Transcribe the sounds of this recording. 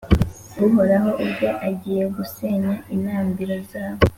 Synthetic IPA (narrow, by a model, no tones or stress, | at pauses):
ɡuɦo̞ɾaɦo̞ʔubɟo̞ʔaɟiːje̞ɡuseɲainaːmbiɾo̞zaːβo